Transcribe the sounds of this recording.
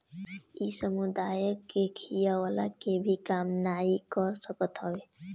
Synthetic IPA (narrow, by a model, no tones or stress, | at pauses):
isɔmud̪ajɔkekʰijawalakebʱikamnajikɔɾsɔkɔt̪ɦɔbe